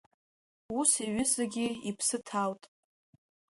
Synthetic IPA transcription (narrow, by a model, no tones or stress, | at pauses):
usiɥɪzɨɡʲɪipʰsɨtʰawtʼ